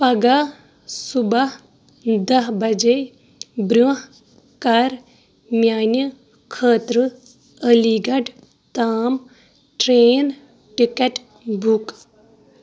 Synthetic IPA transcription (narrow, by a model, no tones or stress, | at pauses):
pɐɡa | subɐɦ | d̪ɐɦbɐd͡ʒe | bɾuɦ | kɐɾ | mʲjaːnjə | kʰəːt̪ɾə | əliːɡɐɖ | t̪aːm | ʈɾeːn | ʈikɐʈ | bʱuk